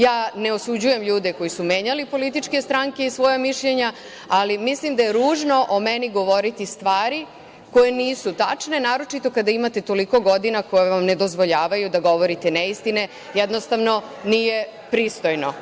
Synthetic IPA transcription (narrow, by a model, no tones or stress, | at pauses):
jaːne̞o̞sud͡ʑuje̞mʎuːd̪eko̞jisumeːɲalipo̞lit̪̬it͡ʃke̞st̪ɾaŋke̞isʋo̞jamiʃʎe̞ɲa | alimislimd̪aje̞ɾuːʒno̞ʔomeniɡo̞ʋo̞ɾit̪ist̪ʋaːɾi | ko̞jeniːsut̪at͡ʃne̞naːɾo̞t͡ʃit̪o̞kad̪aimat̪e̞t̪o̞liko̞ɡo̞d̪inakojeʋamne̞d̪o̞zʋo̞ʎaːʋajud̪aɡo̞ʋo̞ɾit̪eneist̪ine̞ | jɛd̪nost̪aʋno̞nije̞pɾiːst̪o̞jno̞